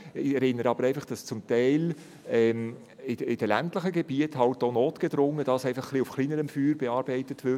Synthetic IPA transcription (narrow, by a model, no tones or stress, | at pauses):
ɪɛɾɪnːəɾɑb̥əɾɛɪfɑχd̥ɑst͡sʊmtɛɪl | ɛm | ɪɪd̥əlæ̰ntləχəɡeb̥iətɦɑltonoːtɡ̥edɾʊŋːəd̥ɑsɛɪfɑχχliufχliːnəɾəmfyːɾbeɑːɾb̥ɛɪtətʋɪ